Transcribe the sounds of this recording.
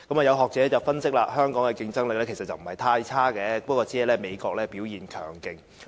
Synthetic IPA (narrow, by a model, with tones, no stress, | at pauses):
kɐ˨˥maː˨˩jɐ˨˧wɦɔː˨k̚t͡sɛː˨˥t͡sɐ˨wfɐ˥nsɪ˥k̚la̰ː˧hœː˥ŋkɔː˨˥ŋkɛ˧kɪ˧ŋt͡sɐ˥ŋlɪ˨k̚lɛː˥kʰsɐ˨t̚t͡sɐ˨wm̩˨˩hɐ˨jt̪ʰaː˧jt͡sʰaː˥kɛː˨˧pɐ˥kwɔː˧t͡si˨˥hɛ˨jlɛː˥me˨˧jkɔː˧k̚lɛː˥piː˨˥wjiː˨˩nkʰœ̰ː˨˩ŋkɪ˧ŋ